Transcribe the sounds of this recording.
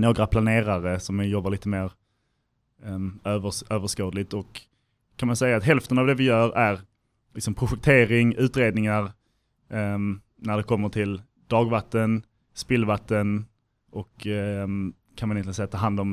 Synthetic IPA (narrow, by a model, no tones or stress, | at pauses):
noːɡɾapʰlaneːɾaɾəsɔmjɔbːalɭiːt̪əmeːɾ | øːvəøːvəʂkoːd̪lɪt̪ɔkʰː | anmansɛjːaːt̪ɦɛlft̪ənavd̪ɛvɪjœːɾæɾ | lɪksɔmpʰɾʊɧɛk̚t̪ʰeːɾɪŋʉ̟ːt̪ɾeːd̪nɪŋaɾ | næɖɛkʰɔmːəʈʰɪl | d̪̥ɑːɡvat̪ːən | spɪlvat̪ːən | ʔɔk | kʰːanmanɪɛnt̪ɪsɛjːat̪ʰɑːɦand̪ɔm